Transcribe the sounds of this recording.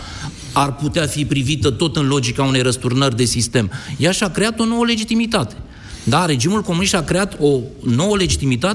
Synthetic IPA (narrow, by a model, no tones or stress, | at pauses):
arput̪eafipɾivit̪ət̪o̞t̪ɨnlo̞d͡ʒikaune̞jɾəst̪urnərʲd̪e̞sist̪e̞mjaʃakɾe̞at̪o̞no̞wəle̞d͡ʒit̪imit̪at̪e̞̥ | d̪aɾe̞d͡ʒimulko̞munist̪akɾe̞at̪o̞no̞wəle̞d͡ʒit̪imit̪a